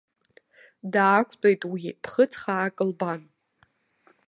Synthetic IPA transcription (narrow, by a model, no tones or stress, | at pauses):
daːkʷʰʼt͡pʷʼejtʼwipʰχət͡sʰχaːkʼɨlban